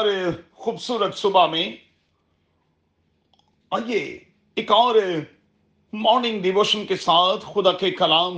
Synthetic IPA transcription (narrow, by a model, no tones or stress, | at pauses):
ɾexuːbsuːɾət̪sʊbamẽ | aːje | ɪkaːɾe | mɔːɾnɪ̃ŋɡɖɪʋoːʃənkesaːt̪ʰxʊd̪aːkekɐlaːm